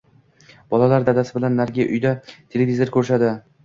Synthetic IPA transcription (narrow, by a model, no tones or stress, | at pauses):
b̥ɒlˠalaɾd̪ad̪asɪbɪlanːaɾɡʲɪjʔʊ̰jd̪at̪ʰe̞lʲevʲizoɾkʰʲɵɾʃ̬ad̪ɪ